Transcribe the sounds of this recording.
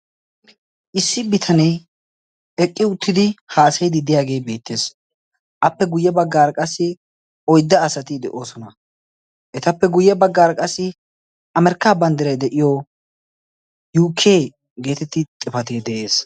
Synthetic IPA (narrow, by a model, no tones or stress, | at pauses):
ʔɪsːɪbɪt̪ʰɐnɛj | ɛkʼːɪʊt̪ʰːɪd̪ɪhaːsɐjd̪ɪd̪ɪjaːɡe̞ːbe̞ːt̪ːeːs | ʔɐpːɛɡʊjːɛbɐɡːaːɾkʼɐsːɪ | ɔjd̪ːɐːsɐt̪ɪd̪ɛʔo̞ːsɔnɐ | ʔɛt̪ɐpːɛɡʊjːɛbɐɡːaːɾkʼɐsːɪ | ʔɐmɛɾkːaːbɐnd̪ɪɾɐjd̪ɛʔɪjo | juːkʰːeː | ɡe̞ːt̪ɛt̪ːɪt̪ʼːɪfɐt̪eːd̪ɛʔe̞ːs